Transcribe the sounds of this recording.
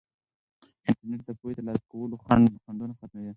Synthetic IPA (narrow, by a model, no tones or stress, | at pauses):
ɪɳʈaɾneʈ̚d̪əpojt̪alɑskawəloxandd̪xand̪unaxat̪̚mawi